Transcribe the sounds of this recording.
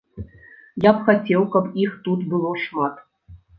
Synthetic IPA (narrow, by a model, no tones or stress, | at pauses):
japxat͡sʲɛwkɐpixt̪ut̪bɨlˠɔʂmat̪